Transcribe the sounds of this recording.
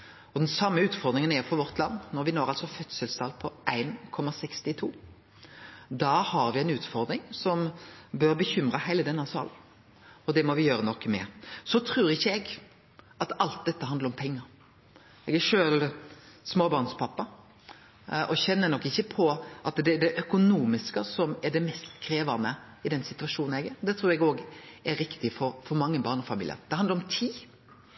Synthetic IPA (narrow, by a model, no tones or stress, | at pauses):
ɔd̪ɛnsɑmːəʉːt̪fɔʁd̪ɾɪŋənɛɾfɔʁʋɔʁt̪ʰlɑnːnɔɾʋɪnoːɾɑlsɔfœt̪səlsɑlpʰɔʔæɪnkʰɔmːɑsɛkst̪ɪt̪ʰuː | d̪ɑːhɑɾʋɪɛɪnʉːt̪fɔʁd̪ɾɪŋsɔmbœɾbəçʏmɾəhæɪləd̪ɛnːɑsɑ̰ːl | ɔd̪ɛmɔʋɪjøːɾənɔkːmɛ̰sɔt̪ʰɾʉːɾɪçːəɛɡ | ɑt̪ɑlt̪̚d̪ɛt̪ːəɦɑnd̪ləɾɔmpʰɛŋːəɾ | ɛɡæʂøːlsmoːbɑːʁnspʰɑpːɑ | ʔɔçɛnːənɔkːɪçːəpʰɔʔɑt̪d̪ɛɖ̪ɛʔœkʊnuːmɪskəsɔmɛɖɛmɛst̪kʰɾeːʋɑnə | ɪd̪ɛnsɪt̪ʉʋɑʂuːn̩ɛɡɛɾd̪ɛt̪ʰɾuːɾɛɡoːɡɛɾːɪkt̪ɪfɔɾfɔɾmɑŋːəbɑːʁnɔfɑmḭːlɪ̰ə̰ɾd̪ɛhɑnd̪ɾɔmt̪ʰiː